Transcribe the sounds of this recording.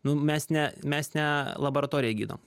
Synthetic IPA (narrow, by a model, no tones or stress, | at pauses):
nʊmʲɛsnʲɛmʲɛsnʲɛlˠɐboːɾɐt̪oːɾʲɪjɛɡʲḭːd̪o̰ːm